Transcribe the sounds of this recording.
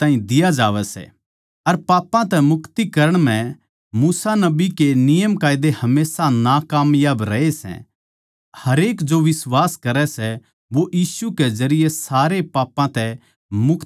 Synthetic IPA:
t̪ãːĩd̪ɪjad͡ʒaːʋɛsɛ̰ | ɐɾpaːpːãt̪ɛmʊkt̪ikɐɾəɽ̃m̤ɛ̃ | muːsanɐbikenɪjəmkaːɪd̪ehɐmeːsanakaːmjaːbɾɛesɛ̰̃ | hɐɾeːkd͡ʒoʋɪswaːskɐɾɛsɛ | ʋoʔjiːsukezɐɾɪjesaːɾepaːpːãt̪ɛ | mʊkʰ

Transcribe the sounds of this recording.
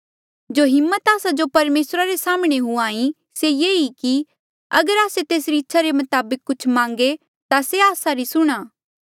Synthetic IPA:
d͡ʒoɦɪmːət̪aːsad͡ʒopɐɾmeːsɾaɾesaːmɽ̃eɦuãːĩ | sejeːiki | ɐɡəɾaːset̪eːsɾiɪtːʃʰaɾemɐt̪aːbəkːʊt͡ʃʰmãːŋɡe | t̪aseaːsaɾisʊɽ̃aː

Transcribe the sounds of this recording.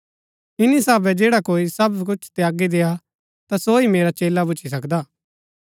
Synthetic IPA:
ɪnisaːbɛd͡ʒeːɽakoːisɐbkʊt͡ʃʰt̪ejaːɡid̪eːa | t̪asoimeːɾat͡ʃeːlabʊt͡ʃʰis̬ɐkd̪aː

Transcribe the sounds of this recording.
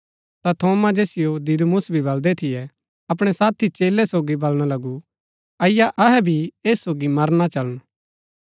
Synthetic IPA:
t̪at̪ʰoːmad͡ʒeːsɪjod̪iɾmʊsbʱibɐld̪ɛt̪ʰɪjɛ | ɐp̬ɽ̃ɛsaːt̪ʰit͡ʃeːlːɛsoːɡibɐlɽ̃alɐɡu | ɐɪjaʔɐɦɛbʱieːsːoːɡimɐɾnat͡ʃɐləñ

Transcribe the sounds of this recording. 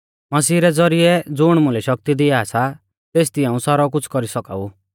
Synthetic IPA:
mɐsiːɾɛd͡zɔɾiɛd͡zʊɽ̃mʊ̃lɛʃɐk̚t̪id̪ɪaːsʰa | t̪eːs̬t̪ɪãːũsaɾɔk̬ʊt͡sʰkɔɾisɔka̰ːu

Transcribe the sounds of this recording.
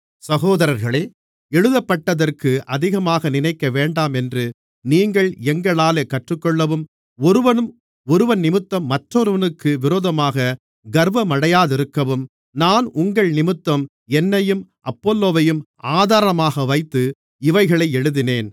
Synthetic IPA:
sɐɣoːðɐɾɐɾɣɐɭeː | ɛɻɯðɐpːɐʈːɐðɐrkɯʔɐðɪɣɐmaːɣɐnɪnɐɪkːɐʋeːɳɖaːmɛndrɯ | niːŋɡɐɭɛŋɡɐɭaːleːkɐʈrɯkːɔɭːɐʋɯm | ɔɾɯʋɐnɯm | ɔɾɯʋɐnnɪmɯt̪ːɐmːɐʈrɔɾɯʋɐnɯkːɯʋɪɾoːðɐmaːɣɐ | ɡɐɾʋɐmɐɽɐjaːðɪɾɯkːɐʋɯm | naːnʊŋɡɐɭnɪmɯt̪ːɐm | ɛnːɐjɯmʔɐpːoːlːoːʋɐjɯm | aːðaːɾɐɐmaːɣɐʋɐɪt̪ːɯ | ɪʋɐɪɣɐɭɐɪɛɻɯðɪneːn

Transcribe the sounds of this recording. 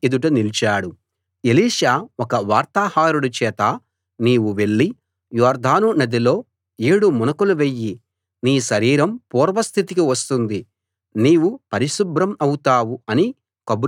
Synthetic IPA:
id̪uʈunilt͡ʃaːɽu | eliːʃaːɔkɐʋaːɾt̪aːhaːɾuɽut͡ʃɛːt̪ɐ | niːwuʋe̞ɭːi | jɔːɾd̪ʱaːnunɐd̪ilo̞ː | eːɽumɔnɐkuluʋe̞jːi | niːʃɐɾiːɾɐmpuːɾʋɐst̪ʰit̪ikiʋɐst̪und̪i | niːwupɐɾiʃubɾɐmɐwut̪aːwuɐni | kɐb

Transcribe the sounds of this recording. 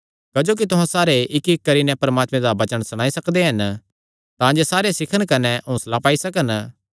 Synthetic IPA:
kɐd͡ʒoːk̬it̪ʊɦãsaːɾeʔɪkɪkːɐɾinɛ̃pɐɾɐmaːt̪mẽd̪abɐt͡ʃəɽ̃sɐɽ̃aːisɐkd̪eɦɐn | t̪ãd͡ʒesaːɾesɪkʰəɽ̃kɐnɛɦõːslapaːisɐk̬ən

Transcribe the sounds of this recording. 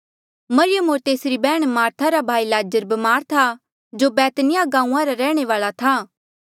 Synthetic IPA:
mɐɾɪjəmoːɾt̪eːsɾibɛːɽ̃maːɾt̪ʰaɾabʱaːilaːd͡ʒəɾbɐmaːɾt̪ʰa | d͡ʒobɛːt̪nɪjaɡãːũãɾaɾɛːɽ̃eʋaːɭat̪ʰa

